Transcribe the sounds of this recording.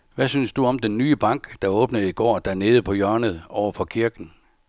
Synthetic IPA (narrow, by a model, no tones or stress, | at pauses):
ʋæsynsd̥uɒ̽md̥enːyːəb̥ɑ̈ŋ̰ɡ̥d̥ɑ̈ɔːb̥nəðˠiɡ̥ɒ̰ːd̥æɐne̝ːð̩ˠpʰɒ̽jœɐnəð̞ˠɒʊɐfɒ̽kʰiɐɡ̥n̩